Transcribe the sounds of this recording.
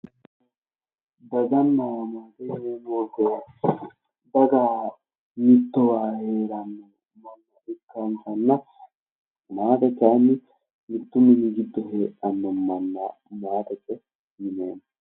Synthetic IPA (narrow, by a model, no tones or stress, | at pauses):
bɐd̪ɐnːaːmaːt̪ɛheːnwɔɡɔw | b̪ɐɡaː | mɪt̪ːɔwaːhe̞ːɾɐnːɔ | mɐnːɐʔɪkːant̪ɐnːɐ | maːt̪ɛt͡ʃːanːɪ | mɪt̪ːʊmɪnɪɡɪd̪ːɔheːʔɐnːɔmɐnːɐ̰ | maːt̪ɛt͡ʃʼːɛ | mɪneːnɐ